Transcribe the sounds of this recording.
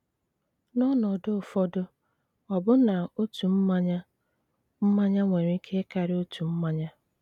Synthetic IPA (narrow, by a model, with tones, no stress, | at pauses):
nɔ˦nɔ˨dʊ˦˨fɔ˦dʊ˦ | ɔ˨bʊ˦na˨o˦tu˨m̩˦ma˦ɲa˦ | m̩˦ma˦ɲa˦ŋʷe˨ɾi˦i˦kʰe˦ka˨ɾɪ˦o˦tʰu˨m̩˦ma˦ɲa˦